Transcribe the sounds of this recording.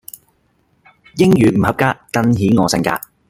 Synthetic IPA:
jɪ˥ŋjyː˨m̩˨˩hɐ˨˧p̚kaː˥kɐ˥˧nɦiː˨˥nŋɔː˨˧sɪ̰˨˧ŋka̰ː˧

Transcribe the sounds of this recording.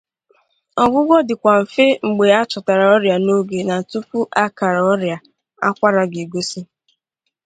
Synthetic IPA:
ɔ˨ɡʷʊ˦ɡɔ˦dɪ˨kʷa˨m̩˨fɪ˦ŋ͡m̩˨ɡ͡be˨a˦t͡ʃɔ˨ta˨ɾa˨ɔ˦ɾja˨no˦ɡe˨na˨tu˦pu˦ʔa˦ka˨ɾa˨ɔ˦ɾja˨ | a̰˦kʷa˦ɾa˨ɡi˨ɡo˦si˦

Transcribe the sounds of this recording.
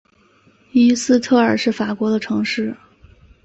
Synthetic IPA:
y˥sɹ̩˥˧t̪ʰɤ˥˩ə˞˨˩ʂɻ̩˥˩fa˨˩kwɔ˧˥d̪ə˧ʈ͡ʂʰɤ˧˥ŋʂɻ̩˥˩

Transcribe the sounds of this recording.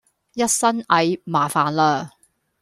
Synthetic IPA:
jɐ˥t̚sɐ˥nɐ˨˧jmaː˨˩faː˨nlaː˧

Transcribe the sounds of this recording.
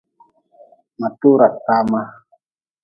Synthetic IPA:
ma˨t̪u˦ɾa˨t̪a˦ma˦

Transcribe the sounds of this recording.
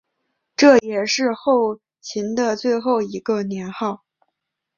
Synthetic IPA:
ʈ͡ʂɤ˥˩jɛ˨˩ʂɻ̩˥˧xo˥˩ʊ | t͡ɕʰi˧˥nd̪ə˧t͡swe˥˧ɪxo˥˩ʊi˧˥ɡə˧njɛ˧˥nxɑ˥˩ʊ

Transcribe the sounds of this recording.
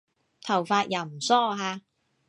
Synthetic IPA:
t̪ʰɐ˨˩wfaː˧t̚ja˨˩wm̩˨˩sɔː˥ɦaː˧

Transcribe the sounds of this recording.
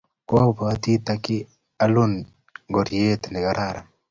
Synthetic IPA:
kpa˨a˦t̪i˦t̪a˦kɪ˦ | a˦lu˦n | ɡo˨ɾje˦t̪nɛ˨ɡa˦ɾʔa˨ɾa˨

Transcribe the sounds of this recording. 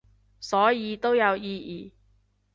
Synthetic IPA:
sɔː˨˥jiː˨˧t̪o˥wjɐ˨˧wjiː˧jiː˨˩

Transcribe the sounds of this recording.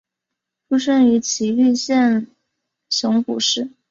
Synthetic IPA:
fu˥˧ʂə˥˩ny˧˥t͡ɕʰi˧˥y˥˧ɕjɛ˥˩n | ɕjʊ˧˥ŋku˨˩ʂɻ̩˥˩

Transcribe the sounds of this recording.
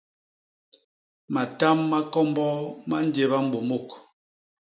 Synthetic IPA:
ma˨ta˦mːa˦kɔ˦m˦bɔ˦ma˦n˦de˨βa˦m̩˦bo˨mo˦˨k

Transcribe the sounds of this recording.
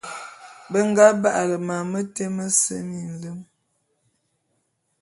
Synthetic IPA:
bə˦ŋ˦ɡa˦ba˦ʔa˨lə˨ma˨mə˦te˦mə˦sə̰˦mi˨n̩˨lə˦m

